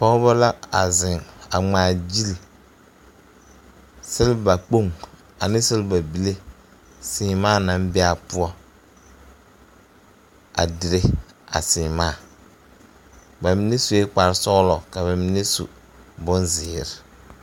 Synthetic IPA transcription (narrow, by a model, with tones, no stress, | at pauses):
pɔ˦ba˦la˦a˨zɪ˨ŋa˨ŋ͡maː˨d͡ʒi˦l | sɪ˦lba˨k͡po˦ŋ | a˨nɪ̃˦sɪ˦lba˨bi˦le˦ | sɪː˨˦maː˦˨na˨˦mbɪ˦a˦˨pʊ˦ɔ˦ | a̰˨dɪ˨ɾe˦ | a̰˨sɪː˨maː˦˨ | ba˨mi˦ne˦su˨e˦k͡pa˨ɾsɔ˦ɣlɔ˨ka˨βa˨mɪ˦ne˦sṵ˨ | bʊ˦nzɪː˨ɾɪ˨